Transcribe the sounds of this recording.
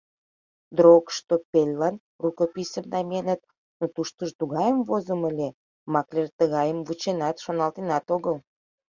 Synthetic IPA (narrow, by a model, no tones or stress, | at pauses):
d̪ɾokʃt̪opʲelʲlɑn | rukopisəmnɑmʲenət̪̚ | not̪uʃt̪əʒt̪uɣɑjəmvozəməlʲe | mɑklʲert̪əɣɑjəmvut͡ɕenɑt̪ʃonɑlt̪enɑt̪oɣəl